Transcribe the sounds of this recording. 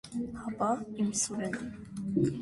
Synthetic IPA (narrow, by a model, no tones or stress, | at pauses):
hɑpɑimsuɾɛn